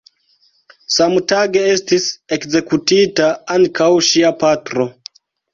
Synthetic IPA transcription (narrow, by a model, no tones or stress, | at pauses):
samtaɡee̞stise̞kze̞kutitaaŋkʰawʃiapatɾo̞